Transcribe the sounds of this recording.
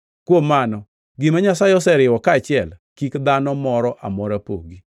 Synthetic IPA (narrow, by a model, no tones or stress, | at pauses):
kwomːanɔ | ɡɪmaɲasaɪɔsɛɾɪwɔkaːt͡ʃɪɛlkikd̪anɔmɔɾɔʔa̰mɔɾapo̰ɡi